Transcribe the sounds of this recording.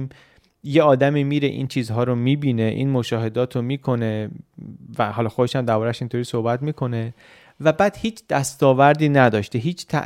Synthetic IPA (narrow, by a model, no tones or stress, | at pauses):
m | jeɒːd̪æmiːmiːɾḛʔḭːnt͡ʃʰiːzɦɒːɾomiːbiːneʔḭːnmoʃɒːɦe̞d̪ɒːt̪ʰomiːkʰo̞ne | væɦɒːlɒːxod̪eʃæmd̪æɾbɒːɾæʃint̪ʰoɾiːso̞hbæt̪miːkʰo̞ne̞ | væbæːd̪̥hiːt͡ʃʰd̪̥æst̪ɒːvæɾd̪iːnæd̪ɒːʃt̪eɦiːt͡ʃʰt̪ʰæ̰ʔ